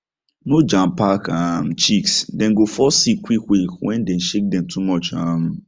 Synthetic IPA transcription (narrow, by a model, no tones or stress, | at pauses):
nod͡ʒãmpakam̩t͡ʃiksdɛ̃n̩ɡofɔsikwikwikwɛ̃ndɛ̃n̩ʃek̚dɛ̃mtʰumɔt͡ʃãm